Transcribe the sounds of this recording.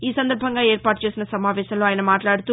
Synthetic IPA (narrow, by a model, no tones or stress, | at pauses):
iːsɐnd̪ɐɾbʱɐŋɡaːeːɾpaːʈu̥t͡ʃe̞ːsinɐsɐmaːʋɛːʃɐmloaːjɐnɐmaːʈlaːɽut̪uː